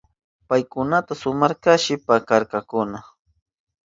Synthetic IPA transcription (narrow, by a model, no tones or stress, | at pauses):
pajkʊnat̪asʊmaɾkaʃɪpakaɾkakʊna